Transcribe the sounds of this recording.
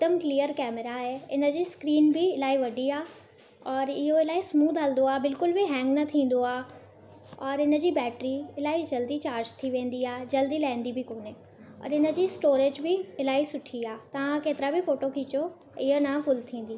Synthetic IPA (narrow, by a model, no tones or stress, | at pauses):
t̪əmklijəɾkɛːmeɾaɦeɪnə̆d͡ʑiːskɾiːnbɪɪlaːiʋɐɖʱiaː | ɔːɾɪɦoɪlaːismuːd̪ʱɦɐlnd̪oaːbɪlkʊlbɪɦɛ̃ːŋɡnɐt̪ʰĩːn̆d̪oaː | ɔːɾɪnə̆d͡ʑiːbɛːʈɾiɪlaːid͡ʑɐld̪it͡ɕaːɾd͡ʑt̪ʰiʋẽːn̆d̪iaːed͡ʑɐld̪ilaːɪ̃nd̪ibɪkoːne | ɔ̰ːɾɪnə̆d͡ʑiːsʈoːɾed͡ʑbɪɪlaːisʊʈʰiaːt̪ɐʋãkeːt̪ɪɾabɪfoːʈokʰiːt͡ɕo | ɪɦənɐfʊlt̪ʰĩːn̆d̪iː